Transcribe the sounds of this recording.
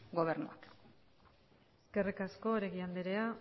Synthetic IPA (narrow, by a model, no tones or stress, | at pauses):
ɡo̞β̞eɾnoak | eske̞rikasko̞ːɾeɣiand̪eɾea